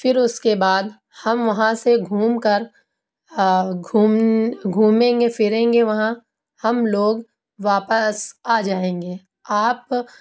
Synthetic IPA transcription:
fɪɾʊskebaːd̪ | hɐmʋɐɦãseɡʱuːmkəɾ | uɡʱuːmẽːŋɡefɪɾẽːŋɡeʋɐɦã | hɐmloːɡ | ʋaːpəsaːd͡ʒaːẽːŋɡeː | aːp

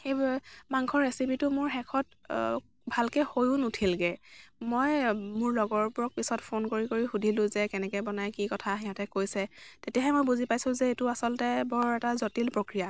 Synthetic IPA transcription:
xejmaŋkʰɔɹesipitʊmʊɹxɛkʰɔt̚ | bʱalkɛhojʊ̃nutʰilɡɛmojmʊɹlɔɡɔɹpʊɹɔk̚pisɔtpʰonkoɹikoɹixudʱilʊ̃zɛkɛnɛkɛbɔnajkikɔtʰaɦiɦatɛkojsɛtetijaɦɛmojbuzipajsʊ̃zɛetʊasɔltɛbɔɹɔɹɛtazotilpɹokɹija

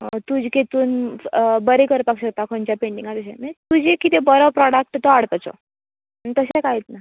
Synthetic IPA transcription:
t̪ud͡ʑket̪uːnbəɾekəɾp̪akɕəkt̪akʰõnt͡ɕjapeɳɖiŋɡat̪əɕɛ̃nat̪ud͡ʑekit̪ebəɾəpɾɔɽak̚ʈt̪ɔaɽt̪at͡sɔ̰ | nit̪əɕẽkajit̪na

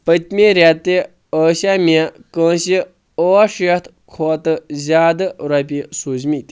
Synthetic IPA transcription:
pət̪ʲmiɾʲat̪ːe | əːɕamiekə̃ːɕi | oʃɐt̪ʰ | kʰoːt̪ɨzʲaːd̪ɨɾap̬ʲisuzmit̪ʲ

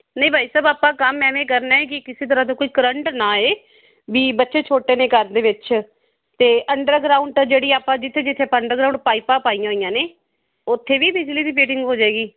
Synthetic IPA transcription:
nəĩbʱaːiːsəːbaːpãːkəmːɛ̃ːmẽːk̬əɾnaːeːk̬ɪkɪseːt̪̬əɾãːt̪oːkoiːkəɾəɳʈnaːeː | ʋiːbətːʃeːt͡ʃʰoːʈeːneːkəɾd̪eːʋɪt͡ʃ | t̪eːʔəɳɖəɾɡɾaːʊɳʈd͡ʒeːɽiːaːpãːd͡ʒɪt̪ʰːeːd͡ʒɪt̪ʰːeːpaəɳɖəɾɡɾaːũːɳɖ̚paːiːpãːpaːijãːoːijãːneː | ʊt̪ʰːeːʋiːbɪd͡ʒliːd̪iːp̬eːʈɪŋɡɦoːd͡ʒaːeːɡiː

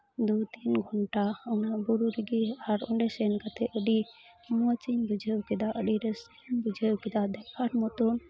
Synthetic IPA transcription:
d̪ut̪inɡʱɔɳʈaənabuɾuɾiɡiaɾɔɳɖɛsɛnkat̪ɛʔəɖi | mɔt͡ʃiɲbud͡ʒʱəwkɛd̪aʔəɖiɾɛsəɲbud͡ʒʱəwkɛd̪ad̪ɛpʰaʈmɔt̪un

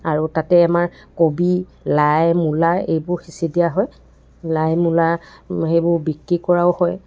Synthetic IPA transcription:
aɹutatɛamaɹkobilajmulaḛjbʊɹxisidijaɦɔj | lajmulaxejbʊɹbikɹikɔɹaʊhɔj

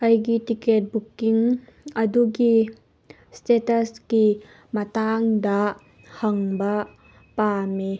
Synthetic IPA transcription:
ʔɐjɡit̪ikɛt̚bukːiŋɐduɡi | stɛtɐski | mɐt̪aŋd̪aʔ | hɐŋba | paːme

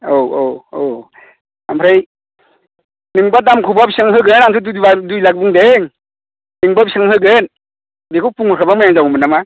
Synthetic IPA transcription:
owowow | ampʰɾaj | nɯŋbadamkʰubabisɯŋɦɯɡɯnaŋtʰudubadujlak̚buŋdeŋ | nɯŋbapisaŋhɯɡɯn | bekʰuwpuŋɯkʰabamajaŋzawmɯnama

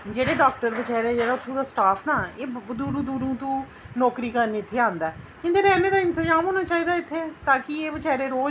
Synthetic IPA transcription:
d͡ʒeːɽeːɖaːk̚ʈəɾʋət͡ʃɛːɾeːd͡ʒeːɽaːʊt̪ʰːũːd̪aːsʈaːpʰnaːeːd̪uːɾũd̪uːɾũːt̪ũː | nɔːkɾiːkəɾniːɪt̪ʰːeãːnd̪aːkɪ̃nd̪eːɾɛːneːd̪aːɪ̃nt̪ɪzaːmɦoːnãːt͡ʃaːiːd̪aːɪt̪ʰːeɛːt̪ãːkɪeːʋət͡ʃɛːɾeːɾoː

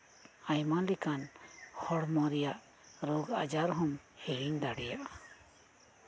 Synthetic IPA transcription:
ajmalikanhɔɽmɔɾɛjaʔ | ɾɔɡa̰d͡ʒaɾɦɔmhɛɽiɲd̪aɽɛjaʔa

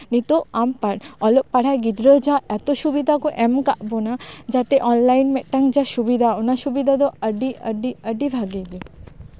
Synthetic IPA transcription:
nit̪oampaʈɔloʔ̚paɽ̤aɡid̪ɾod͡ʑaɛt̪oʃubid̪ʱakoʔɛmka̰ʔbonad͡ʑat̪eʔɔnlajnmɛʈːaŋd͡ʑaʃubid̪ʱaonaʃubid̪ʱad̪oəɖiəɖiəɖibʱaɡeɡe

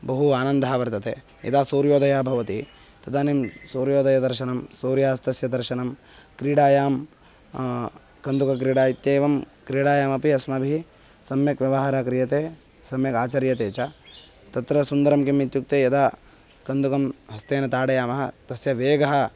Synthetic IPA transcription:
bɐɦuaːnɐnd̪ʱaɦaʋɐɾt̪ɐt̪ḛː | jɐ̰d̪aːsuːɾjoːd̪ɐjaːbʱɐʋɐt̪i | t̪ɐd̪aːnimsuːɾjoːd̪ʱɐjɐd̪ɐɾʃɐnɐmsuːɾjaːst̪ɐsjɐd̪ɐɾʃɐnɐmkɾiːɽaːjaːm | kɐnd̪ukɐk̬ɾiːɽaːit̪jeːʋɐm | kɾiːɽaːjaːmɐpiɐsmɐbʱi | sɐmjɐkʋjɐʋɐɦaːɾaːkɾijɐt̪eː | sɐmjɐkaːt͡ʃɐɾjɐt̪eːt͡ʃa | t̪ɐt̪ɾɐsund̪ɐɾɐmkimit̪juk̚t̪eːjɐd̪aː | kɐnd̪ukɐmɦɐst̪eːnɐt̪aːɽɐjaːmɐɦɐ̰t̪ɐsjɐʋeːɡɐɦɐ̆

